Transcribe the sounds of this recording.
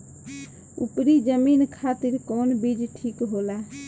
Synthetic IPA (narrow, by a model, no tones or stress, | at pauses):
ṵpɾid͡ʒəminkʰat̪iɾkonbid͡ʒʈʰikɦola